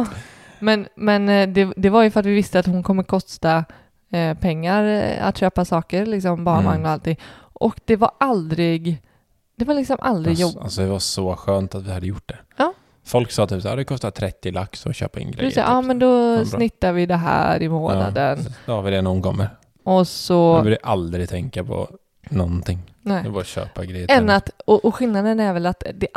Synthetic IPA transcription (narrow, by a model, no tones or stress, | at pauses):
mɛnmɛnd̪ɛd̪ɛvaɾjɵfœɾat̪vɪvɪst̪əat̪hʊnkʰɔmːəkʰɔst̪a | pʰɛŋːaɾa̰t̪ːʃøːpasɑːkəɾlɪksɔmbɑːɳma̰ŋnɔalt̪ɪŋːʔɔkd̪ɛvaɾald̪ɾɪɡ | d̪ɛvaɾlɪksɔmʔa̰ld̪ɾɪɡjɔasɔd̪ɛvasɔɧøːnt̪at̪vɪhad̪ːəjʊʈ̚ːɖ̪ɛ | ɑː | fɔlksɑːt̪ʰyːpsaːaːɾd̪ɛkʰɔst̪at̪ʰɾɛt̪ːɪlaksɔ̰ɕø̰ːpaɛ̰nɡɾɛd̰̪sa̰ʔɑːmɛnd̪ɔsnɪt̪ːaɾvɪd̪ɛɦæ̰ːɾɪmoːna̰dd̪ənd̪hɑɾvɪd̪ɛnɔʊnkɔmːəɾ | ʔɔsɔvɪd̪ɛʔald̪ɾɪt̪ʰɛŋkapʰɔ̰ | nɔnt̪ʰɪŋːnɛd̪ɛbaɾɕø̰ːpaɡɾɛjːəɛnːat̪ɔʔɔɧɪlnad̪ənæɾvɛlat̪d̪ɛ